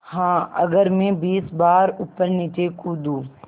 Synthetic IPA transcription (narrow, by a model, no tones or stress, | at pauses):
hãːɐ̰ɡəɾmẽbiːsbaːɾʊpːəɾnit̪ekuːd̪uː